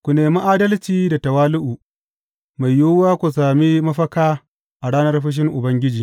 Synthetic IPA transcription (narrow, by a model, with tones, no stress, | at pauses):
kʷu˨neː˨mu˦ʔaː˦dɐ˦lt͡ʃiː˨da˨tɐ˨waː˦lʊ˦ʔuː˨ | ma˨jːoː˦waː˦kʷu˨s̬aː˨mi˦mɐ˦ɸɐ˦kaː˦ | ʔa˨ɽaː˦nɐ˦rɸɪ˦ʃ̬ɪ˦ŋʔʊ˨bɐ˦ŋɡʲɪ˦d͡ʒiː˨